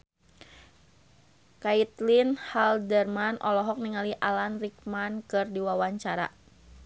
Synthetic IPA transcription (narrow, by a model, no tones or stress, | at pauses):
kait̪linhaldɛrmanʔɔlɔɦɔk̚niŋaliʔalanrik̚mankɨrdiwawaɲt͡ʃaɾa̰